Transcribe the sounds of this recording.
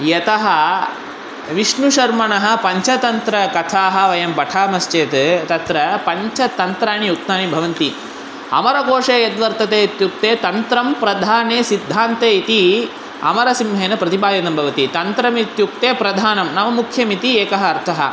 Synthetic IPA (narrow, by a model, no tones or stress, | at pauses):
jɐt̪ɐɦɐ | ʋiʂɳuʃɐɾmɐɳɐɦɐ̆pɐɲt͡ʃɐt̪ɐnt̪ɾɐkɐt̪ʰaːɦɐ̆ʋɐjɐmpɐʈʰaːmɐst͡ʃeːt̪t̪ɐt̪ɾɐpɐɲt͡ʃɐt̪ɐnt̪ɾaːɳijuk̚t̪naːɳibʱɐʋɐnt̪i | ɐ̰mɐɾɐkoːʂeːjɐt̪ʋɐɾt̪ɐt̪eːt̪juk̚t̪eːt̪ɐnt̪ɾɐmpɾɐd̪ʱaːneːsid̪ʱːaːnt̪eːit̪i | ɐ̰mɐɾɐsimɦeːnɐpɾɐt̪ibaːjɐnɐmbʱɐʋɐt̪it̪ɐnt̪ɾɐmit̪juk̚t̪eːpɾɐd̪ʱaːnɐmnɐmɐmukʰjɐmit̪ieːkɐɦɐːɾt̪ʰɐɦɐ̰